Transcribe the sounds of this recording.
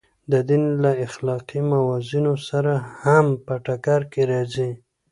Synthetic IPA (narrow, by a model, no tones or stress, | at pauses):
d̪əd̪inlaɪxlɑqimawɑzinosaɾahampəʈakɑɾkeɾɑzi